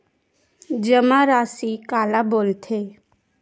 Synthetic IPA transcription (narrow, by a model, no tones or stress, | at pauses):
d͡ʒəmaɾaːsikaːlaboːlt̪ʰe